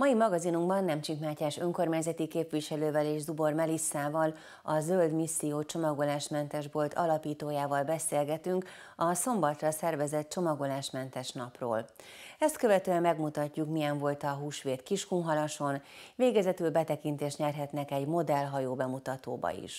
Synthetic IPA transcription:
mɒimɒɡɒzinuŋɡbɒnːɛmt͡ʃikmaːcaːʃøŋko̞rmaːɲzɛt̪ikeːpʋiʃɛløːvɛleːʒzubo̞rmɛlisːaːvɒl | ɒzøld̪misːijoːt͡ʃo̞mɒɡo̞laːʃmɛnt̪ɛʒbo̞lt̪ʰɒlɒpiːt̪oːjaːvɒlbɛseːlɡɛt̪yŋk | ɒso̞mbɒt̪rɒsɛrvɛzɛt̪̚t͡ʃo̞mɒɡo̞laːʃmɛnt̪ɛʃnɒpro̰ːl | ɛst̪kø̞vɛt̪øːɛmːɛɡmut̪ɒcːukmijɛɱvo̞lt̪ɒɦuːʃʋeːt̪kiʃkuŋɦɒlɒʃo̞n | veːɡɛzɛt̪ylbɛt̪ɛkint̪eːʃt̪ɲɛrɦɛt̪nɛkɛɟmo̞d̪ɛlɦɒjoːbɛmut̪ɒt̪o̰ːbɒ̰ḭʃ

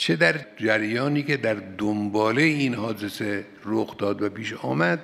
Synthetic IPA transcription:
t͡ʃʰed̪æɾd͡ʒæɾjɒːniːke̞d̪æɾd̪ombɒːlejinhɒːd̪e̞se | ɾoxd̪ɒːd̪væpiːʃɒːmæd̪̥

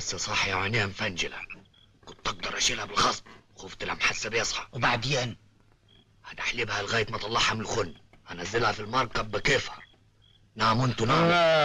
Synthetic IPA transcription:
asːæsˤɑħjaʕaniːhamfand͡ʒɪlha | kʊnt̪ʔɑɡ̚d̪ɑɾˤʔaʃiːlhabɪlxɑsˤbxoːft̪ɪlamħasːabijɑsˤħɑwbaʕd̪jaːn | had̪aħliːbhalɣaːjt̪mat̪ˤɑlːɑħhamɪlxʊnː | hanazːɪlhafilmɑɾˤkɑbɪkeːfɑˤ | naːmʊnt̪una

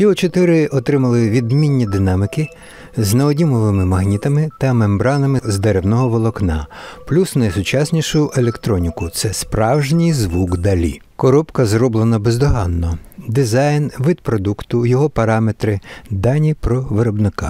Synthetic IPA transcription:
jiɔt͡ʃɔt̪ɪɾɪʔɔt̪ɾɪmɐlˠɪʋʲid̪mʲinʲːid̪ɪnɑmɪkɪ | znɐɔdʲimɔʋɪmɪmɐɦnʲit̪ɐmɪt̪ɐmembɾɑnɐmɪzd̪eɾewnɔɦɔʋɔlˠɔknɑ̰plʲusnɐjsʊt͡ʃɑsʲnʲiʃʊjʊʔelʲekt̪ɾɔnʲikʊt̪sɛspɾɑwʒnʲijzʋuɡd̪ɐlʲḭ | kɔɾɔpkɐzrɔblˠenɐbezd̪ɔɦɑnːɔd̪ɪzɑjnʋɪd̪̚pɾɔd̪ukt̪ʊjɔɦɔpɐɾɑmet̪ɾɪd̪ɑnʲipɾɔʋeɾɔbnɪka̰

